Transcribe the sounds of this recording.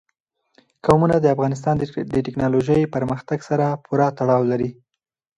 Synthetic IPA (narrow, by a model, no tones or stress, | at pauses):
kawmunad̪əafɣɑnɪs̬t̪ɑnd̪d̪əʈɪknɑloʒəjpəɾməxt̪aɡsaɾapʰʊɾɑt̪aɽɑwlaɾi